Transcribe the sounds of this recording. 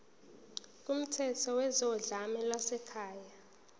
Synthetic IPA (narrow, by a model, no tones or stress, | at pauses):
k̬ʼum̩tʰɛtʰɔwɛzɔɮamɛlwasɛkʰaːja